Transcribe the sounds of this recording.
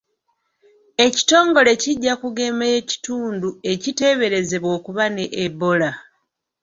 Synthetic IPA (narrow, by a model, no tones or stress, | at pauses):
e̞ci̥to̞ːŋɡo̞le̞ciɟːakuɡe̞ːmeje̞ci̥tuːndue̞cite̞βe̞ɾe̞ze̞βwo̞ːkuβaneʔːbo̞la